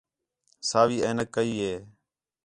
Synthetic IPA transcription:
saːʋiːəːnəkːəiːɦeː

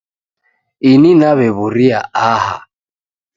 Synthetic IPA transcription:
ininaβɛβuɾiaʔaːha̰

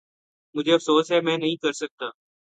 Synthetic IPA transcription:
mʊd͡ʒʱeːɐfsoːsɦɛːmɛ̃ːnɐɦĩkɐɾsək̚t̪aː

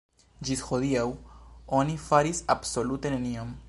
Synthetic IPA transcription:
d͡ʒisxo̞d̪iawo̞nifaɾisabso̞lute̞ne̞nio̞m

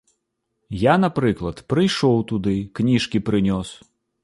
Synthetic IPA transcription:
janapɾɨklˠɐt̪pɾɨjʂɔwt̪ud̪ɨknʲiʂkʲipɾɨnʲɔs

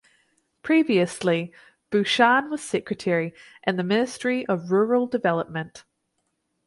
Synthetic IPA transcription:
pʰɹ̥iviɨsli | b̥ʉʃɑ̃nwʌz̥sɪkɹɨtʰɛɹi | ʔɨ̃nðɨmɪ̃nɨstɹ̥iʔʌvɹʊɹəl̩ˠdɨvɛlˠəp̚mɨ̃nt

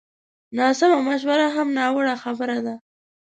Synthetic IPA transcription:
nɑsamamaʃ̬waɾaɦamnɑwəɽaxabəɾad̪a

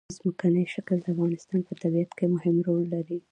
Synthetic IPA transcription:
zməkanəjʃakld̪əafɣɑnɪst̪ɑnpət̪abijat̪kemʊhɪmɾolːaɾi

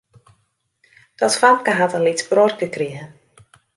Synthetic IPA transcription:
d̥ɔtfamkəɦatəlitbrɔrkəkriə

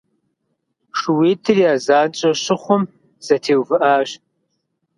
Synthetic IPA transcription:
ʂɨwiːtʰɨriaːzaːnt͡ʃʼɐɕɨχʷʊm | z̥ɐtʰeːwvɨʔaːʒ

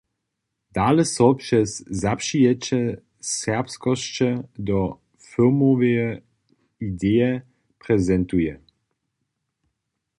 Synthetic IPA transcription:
d̪̥aːlɛsɔpʂɛszapʃijɛt͡ʃɛ | sɛʁpskɔʃt͡ʃɛd̪ɔ | fɪlmovejɛ | id̪ejɛ | pʁɛzɛntujɛ

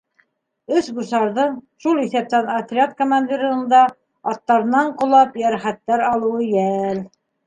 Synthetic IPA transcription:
ɵsbusɑɾðɤɴʃulˠiθæp̚t̪ænɐt̪ɾʲɪat̪komanʲd̪ʲiɾə̆ɤ̆nd̪ɑ | ɑt̪ːɑɾɤ̆nɑɴqŏlˠɑpjæɾχæt̪ːæɾɑlˠɤ̆wɤjæl

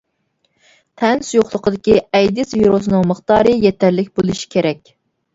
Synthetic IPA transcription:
t̪ʰɛnsujoχlˠəqʰəd̪ɪkʲiɛjd̪ɪsviɾos̬ɨnɨŋməχt̪ɑːɾɨjɛt̪ʰæɾlɪkʲbolˠuʃi̥kʲʰeɾɛkʲ

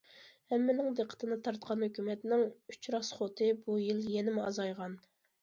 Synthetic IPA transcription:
hɛmːɪnɪŋd̪eqʰːə̥t̪ɨnɨt̪ʰɑɾt̪qʰɑnhøkʲymɛt̪nɪŋy̥t͡ʃɾɑsχot̪ʰɨbujiljɛnɪmɪɑzɑjʁɑn

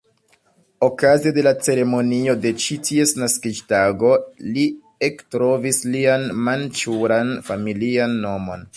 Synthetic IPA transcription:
o̞kazede̞lat͡se̞ɾe̞mo̞nio̞de̞t͡ʃitʰie̞snaskid͡ʒtaɡo̞li | e̞ktɾo̞vislianmant͡ʃuɾanfamilianːo̞mo̞̰n

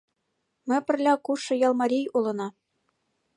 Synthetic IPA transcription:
mʲɘ̆pʲɘ̆rʲlʲɑkuʂɤ̆jɑlˠmɑɾʲijulˠɤ̆nɑ

